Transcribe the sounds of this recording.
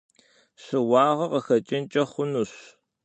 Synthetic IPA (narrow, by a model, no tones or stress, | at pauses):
ɕɨwɑːʁɐqɐxɐt͡ʃʼɪnt͡ʃʼɐχʷʊnuɕ